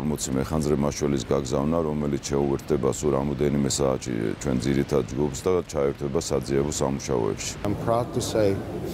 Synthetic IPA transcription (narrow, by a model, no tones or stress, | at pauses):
ɾmɔt̪sʰimɛχandzɾɛmaʃwɛlisɡaɡzavnaɾɔmɛlit̪ʰʃɛuvɛɾt̪̚ʰd̪ɛbasuɾamɔd̪ɛnimɛsaːʃʰḭt͡ʃʰwɛnd̪ziɾit̪ʰad̪̚d͡ʒɡupsd̪at͡ʃʰaɛɾt̪ʰwɛbasad̪ziɛbɔsamuʃaɔ̰ɛ̰pʃi̥ampʰɹaʊd̪̚tʰɨseɪ